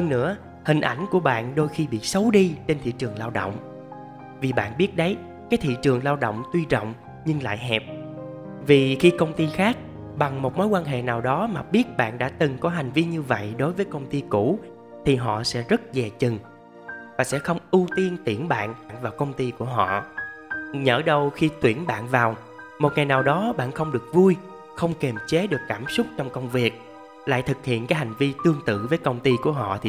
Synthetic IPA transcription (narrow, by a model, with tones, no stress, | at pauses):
hə˧ŋnɨ̰˧˥ə | hï˨˩ŋ̟ʔa˧˩jŋ̟ku˧˩əɓa̰ː˧˨nɗo˧jxi˧ɓḭ˧˨sə˨˦wɗi˧t͡ɕe˧nt̪ʰḭ˧˨t͡ɕɨ˨˩əŋlaː˧wɗo̰˧˨wŋ͡m | vi˨˩ɓa̰ː˧˨nɓi˦˥ət̚ɗə˨˦j | kaː˨˦jt̪ʰḭ˧˨t͡ɕɨ˨˩əŋlaː˧wɗo̰˧˨wŋ͡mt̪wi˧zə̰˧˨wŋ͡m | ɲɨ˧ŋla̰ː˧˨jɦɛ˨˩p̚ | vi˨˩xi˧kə˧wŋ͡mt̪i˧xaː˦˥k̚ | ɓa˨˩ŋmo˨˩t̚mo˨˦jkwaː˧nɦḛ˧˨naː˨˩wɗɔ˨˦maː˨˩ɓi˦˥ət̚ɓa̰ː˧˨nɗa̰ː˧˥t̪ɨ˨˩ŋkɔ˨˦ɦa˨˩jŋ̟vi˧ɲɨ˧və̰˧˨jɗo˨˦jvəː˨˦jkə˧wŋ͡mt̪i˧ku˧˩˥ | t̪ʰi˨˩ɦɔ̰˧˨sɛ̰˧˥zə˦˥t̚zɛ˨˩t͡ɕɨ˨˩ŋ | vaː˨˩sɛ̰˧˥xə˧wŋ͡mʔu˧t̪i˧ənt̪i˧˩ənɓa̰ː˧˨nɓaː˧˨nvaː˨˩wkə˧wŋ͡mt̪i˧ku˧˩əɦɔ̰˧˨ | ɲəː˧˩ɗə˧wxi˧t̪wi˧˩ənɓa̰ː˧˨nvaː˨˩w | mo˨˩t̚ŋa˨˩jnaː˨˩wɗɔ˨˦ɓa̰ː˧˨nxə˧wŋ͡mɗɨ˨˩ək̚vu˧j | xə˧wŋ͡mke˨˩mt͡ɕe˨˦ɗɨ˨˩əkːaː˧˩msʊ˦˥k͡p̚t͡ɕɔ˧wŋ͡mkə˧wŋ͡mvi˨˩ək̚ | la̰ː˧˨jt̪ʰɨ˨˩k̚hḭ˧˨ənkaː˨˦jɦha˨˩jŋ̟vi˧t̪ɨ˧əŋt̪ɨ̰˧˨vəː˨˦jkə˧wŋ͡mt̪i˧ku˧˩əɦɔ̰˧˨t̪ʰi˨